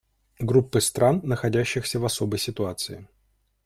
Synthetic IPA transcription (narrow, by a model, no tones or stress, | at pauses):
ɡɾupːɨst̪ɾanːəxɐdʲæɕːɪxsʲəvɐso̞bəjsʲɪt̪ʊat̪sɨɪ